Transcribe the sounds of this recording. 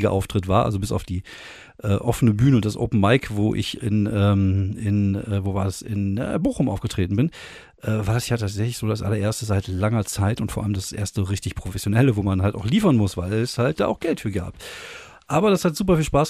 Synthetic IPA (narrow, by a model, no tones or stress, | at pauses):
ɡɐʔa̰ʊftʁ̥ɪtv̥a̰ːɐʔa̰lzobɪsa̰ʊfd̥iː | ʔɛːʔɔfənəbyːnəʊntd̥asʔo̰ːpn̩maɪkvoːʔɪ̰çɪ̰nɛːmɪnɛːvoːvaːɐdasɪ̰nɛ̰boːxʊmʔaʊɡ̥ətʁ̥eːtn̩bɪn | ʔɛːvaːɐdasjaːtʰaːtz̥ɛçlɪçz̥oːdasʔa̰lɐʔeːɐstəzaɪtlaŋɐt͡saɪtʊntfoːɐʔa̰ləmdasʔḛːɐstəʁɪçtɪçpʁ̥ofɛsjonɛləvoːmanhalta̰ʊxliːfɐnmʊsv̥aɪlɛshalt̚d̥aːʔaʊxɡ̥ɛltfyːɐɡa̰ːp | ʔaːbɐɾashatz̥uːpɐfiːlʃpaːs